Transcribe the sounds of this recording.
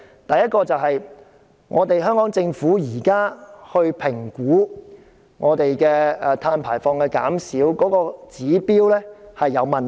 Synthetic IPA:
t̪ɐ˨jɐ˥t̚kɔː˧t͡sɐ˨wɦɐ˨j | ŋʔɔː˨˧t̪e˨jɦœː˥ŋkɔː˨˥ŋt͡sɪ˧ŋfuː˨˥jiː˨˩kaː˥hɵ˧ɥpʰɪ˨˩ŋkuː˨˥ | ŋʔɔː˨˧t̪e˨jkɛː˧˨t̪ʰaː˧npʰaː˨˩jfɔː˧ŋkɛː˧ka̰ː˨˥msiː˨˥wkɔː˨˥kɔː˧t͡siː˨˥piː˥wlɛː˥hɐ˨jːɐ˨˧wmɐ˨˩n

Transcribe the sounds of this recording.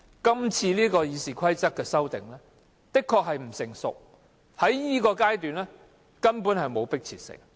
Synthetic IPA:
kɐ˥mt͡sʰiː˧liː˥kɔː˧jiː˨˧siː˨˩kʷʰɐ˥jt͡sɐ˥k̚kːɛː˧sɐ˥wt̪ɪ˨ŋlɛː˥ | t̪ɪ˥kʰːɔː˧k̚ɦɐ˨jm̩˨˩sɪ˨˩ŋsʊ̰˨k̚ | hɐ˨˥jjiː˥kɔː˧kaː˥jt̪yː˨nlɛ˥ | kɐ˥npuː˨˥nhɐ˨jmo˨˧wpɪ˥k̚t͡sʰiː˨˩t̚sɪ̰˨˩ŋ

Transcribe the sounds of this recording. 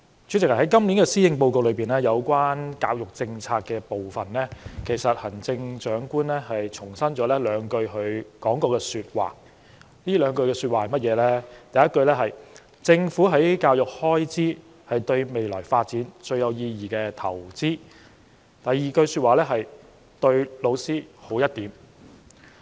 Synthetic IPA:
t͡ʃʰy˨˥t͡sɪ˨k̚hɐ˨˩hɐ˨˦jkɐ˥mliː˨˥nkɛː˧siː˥jɪ˨˧ŋpo˧wko˨w̚lɵ˨˧ɥpiː˨nlɛː˥jɐ˨˧wkʷaː˥nkaː˧w̚jʊ˨k̚t͡sɪ˧ŋt͡sʰaː˧t̚kːɛː˧po˨wfɐ˨˩nlɛː˥kʰe˨˩jsɐ˨t̚hɐ˨˩nt͡sɪ˧ŋt͡ʃœː˨˥ŋkuː˥nlɛː˥ɦɐ˨jt͡ʃʰʊ˨˩ŋsɐ˥nt͡ʃɔː˨˥lɛː˥lœː˨˧ŋkɵ˧ɥɦɵ˨˧ɥkɔː˨˥ŋkɔː˧kɛː˧syː˧t̚wa̰ː˨˩ | niː˥lœː˨˧ŋkɵ˧ɥkɛː˧sy˧waː˨˩hɐ˨jmɐ˥t̚jɛː˨˧lɛː˥t̪ɐ˨jɐ˥t̚kɵ˧ɥlɛː˥ɦɐ˨j | t͡sɪ˧ŋfuː˨˥ɦɐ˨˥jkaː˧wjʊ˨k̚hɔː˥jt͡siː˥ | hɐ˨jt̪ɵ˧ɥme˨jlɔː˨˩jfaː˧t̚t͡siː˨˥nt͡ʃɵ˧ɥjɐ˨˧wjiː˧jiː˨˩kɛː˧t̪ʰɐ˨˩wt͡siː˥ | t̪ɐ˨jːiː˨˩kɵ˧ɥsyː˧t̚waː˨˩lɛː˥ɦɐ˨j | t̪ɵ˧ɥlo˨˧wsiː˥ho˨˥wjɐ˥t̚t̪iː˨˥m

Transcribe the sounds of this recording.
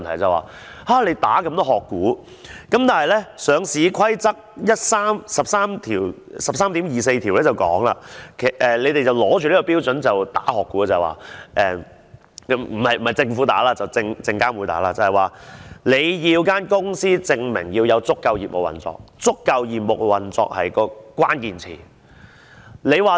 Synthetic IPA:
nt̪ʰɐ˨˩jt͡sɐ˨wa̰ː˨˩ | aː˥˩le˨˧jt̪aː˨˥kɐ˧˥mt̪ɔ˥ɦɔː˨kːuː˨˥ | kɐ˨˥mt̪aː˨˩nɦɐ˨jlɛ˥sœː˨˧ŋsiː˨˧kʰwɐ˥jt͡sɐ˥k̚jɐ˥t̚saː˥msɐ˨p̚saː˥mt̪ʰiː˨˩wsɐ˨p̚saː˥mt̪iː˨˥mjiː˨˩s̬e˧jt̪ʰiː˨wlɛː˦˥t͡sɐ˨˩wkɔ̰ː˨˥ŋla̰ː˧kʰe˨˩ʔɛ˨le˨˧jt̪e˨jt͡sɐ˨wlɔː˨˥t͡ʃyː˨liː˥kɔ˧piː˥wt͡sɵ˨˥nt͡sɐ˨wt̪a̰ː˨˥hɔː˨kːuː˨˥˨t͡sɐː˨jwa̰ː˨˩ʔɛː˨˧ | m̩˨˩hɐ˨˩jm̩˨˩hɐ˨˩jt͡sɪ˧ŋfuː˨˥t̪a̰ː˨˥laː˧t͡sɐ˨wt͡sɪ˧ŋt͡sɪ˧ŋkaː˥mwu˨˧jt̪a̰ː˨˥laː˧t͡sɐ˨˩hɐ˨˩jwaː˨˩le˨˧jjiː˧wkaː˥nkʊ˥ŋsiː˥t͡sɪ˧ŋmɪ˨˩ŋjiː˧wjɐ˨˧wt͡sʊ˥kːɐ˧wjḭː˨p̚mʊ˨k̚wɐ̰˨˩nt͡sɔ̰ː˨k̚t͡sʊ˥kːɐ˧wjiː˨p̚mʊ˨˩k̚wɐ˨˩nt͡sɔ̰ː˨˧k̚hɐ̰˨jkɔː˧kʷwaː˥nkiː˨˧nt͡sʰḭː˨˩ | le˨˧jwaː˨

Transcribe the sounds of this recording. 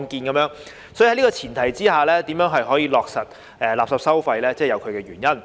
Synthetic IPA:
ŋkiː˧nkɐ˨˥mjœː˧˥ŋ | sɔ˨˥jɐ˦˥niː˥kɔː˧t͡sʰiː˨˩nt̪ʰɐ˨˩jt͡siː˥haː˨˩lɛː˥t̪iː˨˥mjœː˨˥ŋɦɐ˨jɦɔː˨˥jiː˧lɔː˨k̚sɐ˨t̚ | ʔɛː˨˩laː˨p̚sɐ˨psɐ˥wfɐ˧jlɛː˥t͡sɛː˥˩jɐ˨˧wkʰɥkɛː˧jyː˨˩njɐ˥n

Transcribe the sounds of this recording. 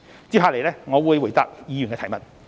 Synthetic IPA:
t͡siː˥ɦaː˧le˨jlɛː˥ŋɔː˨˧wuː˨˧jwu˨˩jt̪a̰ː˧k̚jiː˨˧jy˨˩nkɛː˧t̪ʰɐ˨˩jmɐ˨t̚

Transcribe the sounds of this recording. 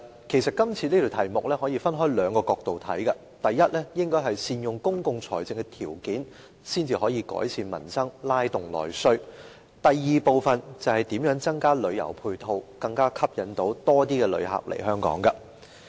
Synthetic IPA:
kʰe˨˩jsɐ˨t̚kɐ˥mt͡sʰiː˧liː˥t̪ʰo˨wt̪ʰɐ˨˩jmʊ˨k̚lɛː˥hɔː˨˥jiː˧fɐ˥nɦɔː˥jlœː˨˧ŋkɔː˧kɔː˧k̚t̪o˨wt̪ʰɐ̰˨˥jkɐ˧ | t̪ɐ˨jːɐ˥t̚lɛː˥jɪ˥ŋkɔː˥ɦɐ˨jsiː˧njʊ˨ŋkʊ˥ŋkʊ˨ŋt͡sʰɔ̰ː˨˩jt͡sɪ˨˧ŋkɛ˧t̪ʰiː˨˩wkiː˨˥n | siː˥nt͡siː˨˧hɔː˨˥jiː˧kɔ̰ː˨˥jsʰiː˧nmɐ̰˨˩nsɐ˥ŋlaː˥jt̪ʊ˨ŋlɔ̰ː˨˩jsɵ˥ɥ | t̪ɐ˨jːiː˨˧po˨˧wfɐ˨nt͡sɐ˨˩hɐ˨jt̪iː˨˥mjœː˨˥ŋt͡sɐ˥ŋkaː˥lɵ˨˧ɥjɐ̰˨˩wpʰuː˧jt̪ʰo˧wkɐ˧ŋkaː˥kʰɐ˥p̚jɐ˨˥nt̪o˨˥wt̪ɔː˥t̪iː˥kɛ˧lɵ̰˨˧ɥɦa̰˨p̚lḛ˨˩jɦœː˥ŋkɔ̰ː˨˥ŋɡɐ˧

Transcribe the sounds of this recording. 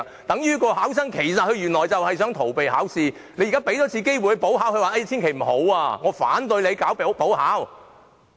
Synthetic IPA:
t̪ɐ˨˥ŋjyː˥kɔː˧haː˨˥ws̬ɐ˥ŋkʰe˨˩jsɐ˨t̚hʰɵ˧ɥyː˨˩nlɔː˨˩jt͡sɐ˨whɐ˨js̬œː˨˥ŋt̪ʰo˨˩wpe˨jhaː˨˥wsiː˧ne˨˧jːkaː˥pe˨˥jt̪ɔː˨˥t͡sʰiː˧ke˥jwjhɵ˧po˨˥whɦaː˨˥whɵ˧waː˨˩ʔɐ˥jt͡sʰiː˥nkʰe˨˩jm̩˨˩ho˨˥waː˧ŋɔː˨˧fa̰ː˨˥nt̪ɵ˧jle˨˧jkaː˨˥wppo˨˥whaː˨˥w

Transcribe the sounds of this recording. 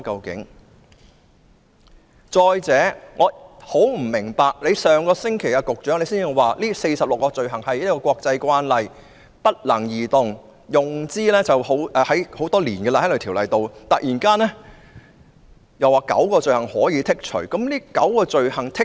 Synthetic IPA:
kɐ˧wkɪ̰˨˥ŋ | t͡ʃɔː˧jt͡sɛː˨˧˥ŋʔɔː˨˧ho˨˥wm̩˨˩mɪ˨˩ŋpaː˨k̚le˨˧jsœː˨ŋkɔː˧sɪ˥ŋkʰe˨˩jkaː˧kʊ˨k̚t͡ʃœː˨˥ŋle˨˧jsiː˥nː˧˨˧waː˨liː˥se˧jsɐ˨p̚lʊ˨kːɔː˧t͡ʃɵ˨ɥɦɐ˨˩ŋhɐ˨jɐ˥kːɔː˧kʷɔː˧k̚t͡sɐ˧jkʷaː˥nlɐ˨j | pɐ˥t̚lɐ˨˩ŋjiː˨t̪ʊ˨ŋ | jʊ˨˩ŋt͡siː˥lɛː˥t͡sɐ˨who˨˥wʔɛː˧hɐ˨˥jho˨˥wt̪ɔː˥liː˨˩nɡɛ˧la˧hɐ˥lɵ˨˩t̪ʰi˨˩wlɐ̰˨jt̪o˨wt̪ɐ˨k̚jiː˨˩nkaː˥nɛː˥ | jɐ˨waː˨˩kɐ̰˨˥wkɔː˧t͡ʃɵ˨ɥhɐ˨˩ŋhɔː˨˥jiː˨˧t̪ʰɪ˥k̚t͡ʃʰɵ̰˨˩ɥkɐ˨˥mliː˥kɐ̰˨˥wkɔː˧t͡ʃɵ˨ɥhɐ˨˩ŋt̪ʰɪ˥k̚

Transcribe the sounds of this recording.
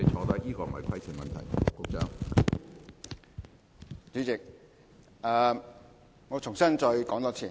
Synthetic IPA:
e˧t͡ʃʰɔː˧t̪ɐ˥kiː˥kɔː˧˩m̩˨˩˨ɐ˨jkʰɐ˥jt͡sʰiː˨˩ŋmɐ˨nt̪ʰɐ˨˩jkʊ˧˥k̚t͡sœː˥ŋ | t͡ʃyː˨˥t͡sɪ˨k̚ | aː˨ | ŋɔ˨˧t͡sʰʊ˨˩ŋsɐ˥nt͡sɔː˧jkɔː˨˥ŋt̪ɔː˧˥t͡sʰiː˨˩

